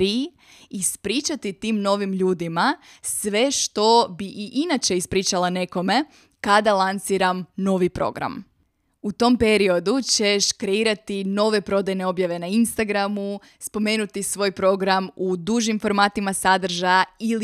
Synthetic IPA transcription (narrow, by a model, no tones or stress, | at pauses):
i | ispɾiːt͡ʃat̪it̪iːmno̞ʋimʎuːd̪imasʋe̞ʃt̪o̞biʔiʔinat͡ɕe̞ispɾiːt͡ʃalˠane̞ko̞me̞ | kad̪alˠant̪siːɾamno̞ʋipɾo̞̰ɡɾa̰m | ut̪o̞mpe̞ɾio̞d̪ut͡ɕe̞ʃkɾe̞iːɾat̪ino̞ʋe̞pɾo̞d̪ajne̞o̞bjaʋe̞nainst̪aɡɾamu | spo̞me̞ːnut̪isʋo̞ːjpɾo̞ɡɾamud̪uʒimfo̞ɾmaːt̪imasad̪r̩ʒaail